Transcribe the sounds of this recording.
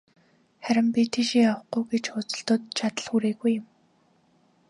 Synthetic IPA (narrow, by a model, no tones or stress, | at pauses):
χæɾʲɪ̆mpʲit̪ʰeʃiŋawə̆χɡujɡet͡ɕʊt͡sə̥̆ɬt̪ʊːt̪̚t͡ɕʰat̪ə̆ɮxuɾeːɣujɪ̆m